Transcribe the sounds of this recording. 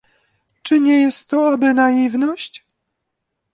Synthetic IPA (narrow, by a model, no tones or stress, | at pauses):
t͡ʂɘɲɛjɛst̪ːɔabɘnajivnɔɕt͡ɕ